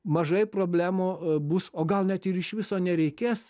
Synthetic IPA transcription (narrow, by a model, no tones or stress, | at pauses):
mɐʒɐɪpɾoːbʲlʲæːmoːbʊsoːɡɐlˠnʲɛt̪ɪɾɪʃʋʲɪsoːnʲɛɾʲɛɪkʲeːs